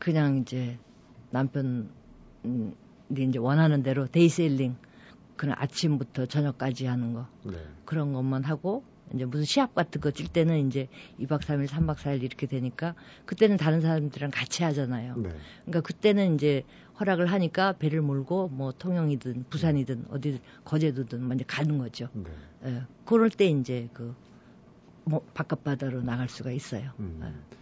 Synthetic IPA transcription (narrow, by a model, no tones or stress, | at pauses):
kɯɲaŋind͡ʑe̞ | nampʰjʌn | iːnd͡ʑe̞wʌnɦanɯnde̞ɾote̞is͈eʎːiŋ | kɯnʌ̰nʔa̰t͡ɕʰimbutʰʌt͡ɕʌɲʌk͈̚ad͡ʑiɦanɯnɡʌekɯɾʌnɡʌmːanɦaɡo | ind͡ʑe̞mus̬ʰɯnɕʰiɦap̚k͈atʰɯnɡʌt͡ɕ͈iɭt͈e̞nɯnind͡ʑe̞ibak̚s͈ʰamiɭsʰambak̚s͈ʰaiɾiɾʌkʰe̞dwe̞ɲik͈a | kɯt͈e̞nɯntaɾɯns̬ʰaɾamdɯɾɯnkat͡ɕʰiɦad͡ʑanajo̰kɯɲik͈akɯt͈e̞nɯnind͡ʑe̞ | hwʌɾaɡɯɭɦaɲik͈ape̞ɾɯɭmoɭɡomwʌtʰoŋjʌŋidɯnpusʰaɲidɯnʌ̰di | kʌd͡ʑe̞dudɯnmʌnd͡ʑʌkanɯnɡʌd͡ʑonjekɯɾʌɭt͈e̞ind͡ʑe̞kɯ | mʌpak͈ap̚p͈adaɾonaɡaɭs͈uɡais͈ʌjoḛ